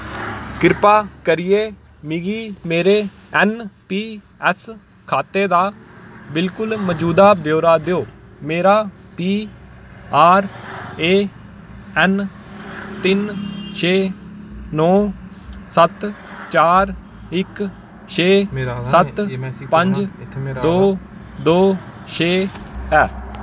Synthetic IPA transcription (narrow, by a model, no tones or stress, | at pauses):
kɪɾpaːkəɾɪjeː | miːɡiːmeːɾeː | ɛnpiː | ɛs | kʰaːt̪eːd̪aːbɪlkʊlməd͡ʒuːd̪aːbjoːɾaːd̪eoːmeːɾaːpiː | aːɾeː | ɛn | t̪ɪnt͡ʃʰeː | nɔː | sət̪ | t͡ʃaːɾ | ɪk | t͡ʃʰeːsət̪pəɲd͡ʒd̪oː | d̪oːt͡ʃʰeːɛː